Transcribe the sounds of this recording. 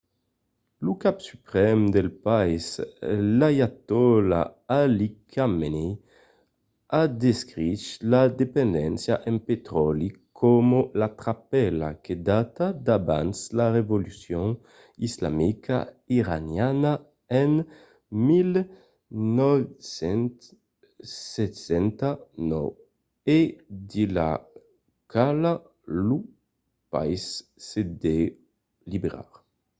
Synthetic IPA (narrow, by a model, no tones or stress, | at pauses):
lukapsypɾɛmd̪elpaislajat̪ɔla̰alikʰameni | ad̪eskɾiʃlad̪epend̪ɛnsjaʔempet̪ɾɔlikʰɔmolat̪ɾapɛla̰kʰed̪at̪ad̪aba̰nslaʁevolysjõŋ | isla̰mika̰iʁanjana | ɛn | mil | nɔvsɛnt̪ | sesɛnt̪anɔ̰w | ed̪ila̰ | kʰala | lu | pa̰issed̪e | libeɾa̰ɾ